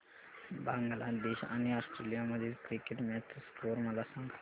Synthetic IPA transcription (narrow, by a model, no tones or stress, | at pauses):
baŋɡlad̪eʃa̰niasʈɾelijamɐd͡ʒid̪kɾikeʈmet̪skoːɾmɐlasə̃ŋɡ